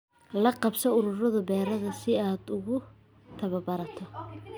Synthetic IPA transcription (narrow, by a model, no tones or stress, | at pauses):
lɐqɑbsɔʊɾʊrɐðɐbɛːɾɐðɐsɪaːd̪ʊɣʊ | t̪ʰɐβɐbɐɾɐt̪ʰɔ